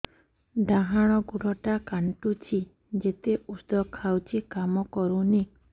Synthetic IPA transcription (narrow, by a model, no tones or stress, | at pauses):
ɖaɦaɽ̃ɔɡuɽɔʈakaɳʈut͡ʃʰi | d͡ʒet̪eusd̪ɔkʰawt͡ʃʰikamɔkɔɾuni